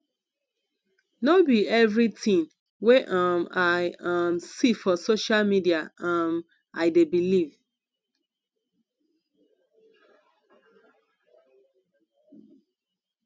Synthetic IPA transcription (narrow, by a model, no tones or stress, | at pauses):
nobiɛvɹitĩŋ | weʔamaɪamsifɔsoʃalmidiaam | aɪdebiliv